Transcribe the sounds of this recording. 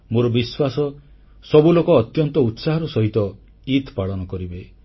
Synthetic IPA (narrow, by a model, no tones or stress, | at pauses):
moɾɔbiswasɔ | sɔbulokɔːt̪jɔnt̪ɔut̪saɦɔɾɔsɔɦit̪ɔ | it̪paɭɔnɔkɔɾibe